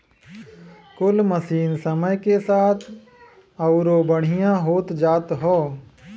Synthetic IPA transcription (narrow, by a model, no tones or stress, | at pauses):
kʊlməsiːnsəməjkesaːt̪ʰ | ɐʊɾobəɽ̤ijãɦoːt̪d͡ʒaːt̪ɦoː